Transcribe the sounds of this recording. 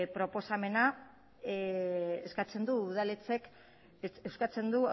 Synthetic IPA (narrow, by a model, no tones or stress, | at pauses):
pɾo̞po̞same̞na | eskat͡se̞nd̪uːð̞alet͡se̞k | ewskat͡se̞nd̪u